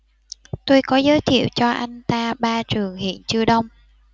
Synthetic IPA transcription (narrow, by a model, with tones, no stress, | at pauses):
t̪o˧jkɔ˨˦zəː˨˦jt̪ʰḭ˧˨əwt͡ɕɔ˧ʔa˧jŋ̟t̪aː˧ɓaː˧t͡ɕɨ˨˩əŋhḭ˧˨ənt͡ɕɨ˧əɗə˧wŋ͡m